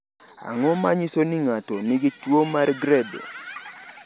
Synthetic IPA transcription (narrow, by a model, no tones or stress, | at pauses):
a̰ŋɔmaɲisonɪŋatɔnɪɡitwomaɾɡɾɛbḛ